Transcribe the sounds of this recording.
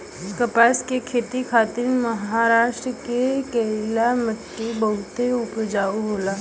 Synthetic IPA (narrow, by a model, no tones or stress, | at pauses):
kəpaːskekʰeːt̪ikʰaːt̪ɪɾmɐɦaːɾaːʃʈɾəkekəlaməʈːibɐɦʊt̪eʊpd͡ʒaːuɦoːlaː